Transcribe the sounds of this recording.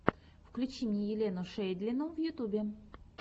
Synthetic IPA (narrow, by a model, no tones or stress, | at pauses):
fklʲʉt͡ɕimʲjʲejɪlʲenʊʂɛjd̪ʲlʲɪnuvjʊt̪ubʲɪ